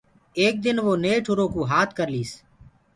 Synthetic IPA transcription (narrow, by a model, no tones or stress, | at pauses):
eːk̚d̪ɪnʋoːneːʈʰʊɾoːkuːɦaːt̪ʰkəɾliːs